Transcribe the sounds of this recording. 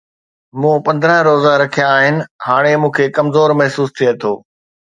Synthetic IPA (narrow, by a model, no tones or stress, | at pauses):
mũːpɐ̃nd̪ɾə̃ɦɾoːzaɾɐkʰijãːɦɪnɪ̆haːɽ̃emũːkʰeːkɐmzoːɾmɐɦsuːst̪ʰiet̪ʰoː